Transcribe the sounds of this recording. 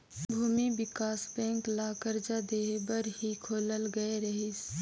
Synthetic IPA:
bʱuːmibɪkaːsbɛ̃ːŋklaːkəɾd͡ʒad̪eːɦbəɾɦikʰoːləlɡəeɾɐɦɪs

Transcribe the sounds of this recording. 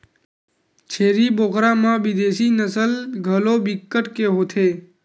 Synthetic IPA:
t͡ʃʰeːɾiːboːkʰɾãmãʋɪd̪eːsiːnəsəlɡʱəloːbɪkːəʈkeɦot̪ʰeː

